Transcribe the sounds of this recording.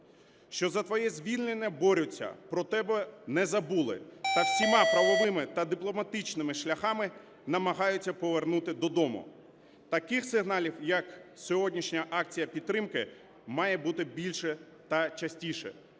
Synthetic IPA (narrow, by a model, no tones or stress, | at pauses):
ʃt͡ʃɔzɐt̪ʋɔjɛzʲʋʲilʲnenʲːɐbɔɾʲʊt͡sʲːɐ̰pɾɔt̪ɛbɛnɛzɐbulˠɪ̰t̪ɐsʲimɑpɾɐʋɔʋɪmɪt̪ɐd̪ɪplˠɔmɐt̪ɪt͡ʃnɪmɪʃlʲɐxɑmɪ | nɐmɐɦɑjʊt͡sʲːɐpɔʋernut̪ɪd̪ɔd̪ɔmʊ̰ | t̪ɐkɪxsɪɦn̪ɑlʲiwjɐksʲɔɦɔdʲnʲiʃnʲɐʔɑk̚t͡sʲijɐpʲid̪t̪̚ːɾɪmkɪ | mɑjɛbut̪ɪbʲilʲʃɛ | t̪ɐt͡ʃɐsʲtʲiʃɛ̰